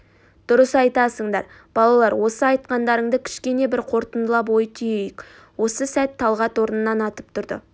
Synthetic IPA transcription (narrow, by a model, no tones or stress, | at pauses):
d̪̥ʊɾəsɑjt̪ɑsəɴd̪ɑɾ | b̥ɑlˠɑlˠɑɾwo̞səɑjt̪̚qɑnd̪ɑɾəɴd̪əkʲʰɪ̥ʃkʲe̞ne̞bɪɾqʰo̞ɾt̪ənd̪əlˠɑp̬wo̞jət̪ʰʏjejɪk | wo̞səsæt̪ʰːɑlˠʁɑt̪wo̞ɾənənɑnɑt̪əp̚t̪ʰʊɾd̪ə̰